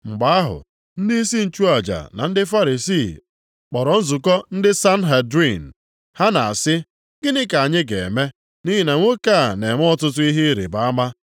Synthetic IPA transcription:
ŋ͡m̩˨ɡ͡ba˨˦a˦ɦʊ̰˨ | n̩˦di˦i˦si˦n̩˨t͡ʃu˦a˨d͡ʒa̰˨na̰˨n̩˦dɪ˦fa˦ɾi˨si˦˨ | k͡pɔ˨ɾɔ˨n̩˦zʊ˨kɔ˦n̩˦dɪ˦sa˦n̩˦ɦe˨dɾi˦˨n̩˨ | ha˦na˨a˨sɪ˦ | ɡɪ˦nɪ˦ka˨ɲɪ˦ɡḛ˨me˦ | ni˦ɦi˨na˨ŋʷo˦ka˦˨ne˨ŋ˦ɔ˦tʊ˦tʊ˦i˦ɦi˦ɾḭ˨ba˨a˦ma˦

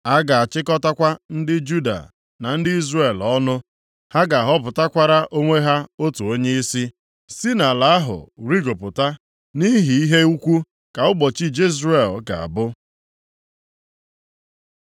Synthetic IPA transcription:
a˦ɡa˨a˨t͡ʃɪ˦kɔ˦ta˦kʷa˦n̩˦dɪ˦d͡ʒu˦da̰˨ | na˨n̩˦dɪ˦i˦zre˦˨lɔ˦nʊ˦ | ha˦ɡa˨a˨ɦɔ˦p̬ʊ˨ta˦kʷa˦ɾa˦ʔo˦ŋʷe˦ɦa˦o˦tu˨o˦ɲe˦i˦si˦ | si˦na˨la˨˦a˦ɦʊ̰˨ɾi˦ɡo˨pʊ˨ta˦ | ni˦ɦi˨i˦ɦe˦u˦kʷu˦ | ka˨ʊ˦ɡ͡bɔ˨t͡ʃi˦d͡ʒi˦zre˨lka̰˨a̰˨bʊ˦

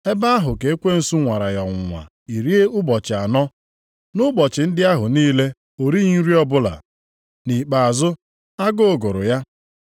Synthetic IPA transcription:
e˦ba˦a˦ɦʊ˨ke˨e˦kʷe˦n̩˨su˦ŋʷa˨ɾa˨jɔ˨ŋʷ˨ŋʷa̰˨ | i˨ɾi˦e˦ʊ˦bɔ˨t͡ʃɪ˨a˨nɔ˦ | nʊ˦bɔ˨t͡ʃɪ˨n̩˦dɪ˦a˦ɦʊ˨niː˦le˦ | o˨ɾi˦ŋ̩˦ɾi˦ɔ˦bʊ˦la̰˨ | ni˨k͡pa˨a˨zʊ˦ | a˦ɡo˦˨ɡʊ˨ɾʊ̰˨ja˦

